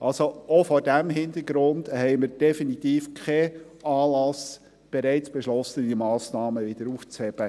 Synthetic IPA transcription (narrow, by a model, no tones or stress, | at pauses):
ʔɑlsoofɔɾdæmɦɪnd̪əɾɡɾʊndhɛɪməɾd̥ɛfinit̪iːfkʰɛ | ɑːlɑs | b̥eɾɛɪt͡sb̥eʃlɔsədimɑːsnɑːməʋɪd̥əɾuft͡shɛb̥ə